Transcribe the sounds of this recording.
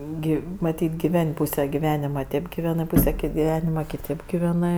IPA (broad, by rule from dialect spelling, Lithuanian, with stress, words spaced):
ˈɡʲɪ mɐˈtʲiːtʲ ɡʲɪˈʋʲɛnʲ ˈpuːsʲɛ ɡʲɪˈʋʲæːnʲɪmɐ ˈtʲeːp ɡʲɪˈʋʲæːnɜ ˈpuːsʲɛ kʲeː ɡʲɪˈʋʲæːnʲɪmɐ kʲɪˈtʲeːp ɡʲɪˈʋʲæːnɜ